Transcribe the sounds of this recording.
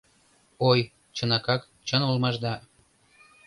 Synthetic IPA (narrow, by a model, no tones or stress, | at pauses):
oj | t͡ɕə̆nɑkɑk | t͡ɕə̆nulmɑʒd̪ɑ